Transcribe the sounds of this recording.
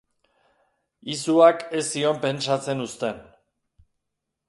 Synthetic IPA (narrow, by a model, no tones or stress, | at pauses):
isuake̞sio̞mpe̞nt͡ʃat͡se̞nust̪e̞n